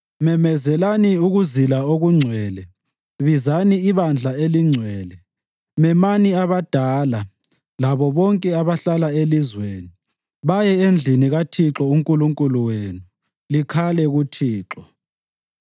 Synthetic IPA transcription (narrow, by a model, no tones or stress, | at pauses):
mɛmɛzɛlaniuɣuzilaoɣuŋ͡ǀʱwɛːlɛ | βizaniiβand͡ɮʱaeliŋ͡ǀʱwɛːlɛ | mɛmaniaβad̥ʱaːla | laβɔβɔŋkʼɛaβaɬalaelizweːni | βajɛend͡ɮʱiniɣatʰiǁɔuŋkʼuluŋkʼuluweːnu | likʰalɛɣutʰiːǁɔ